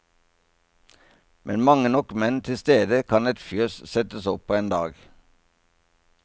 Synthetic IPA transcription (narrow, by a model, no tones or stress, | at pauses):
mʔɛnmɑŋənɔkmɛnt̪ʰɪst̪eːd̪əkʰɑnɛt̪fjøːssɛt̪əsɔpʰːoːeːnd̪ɑːɡ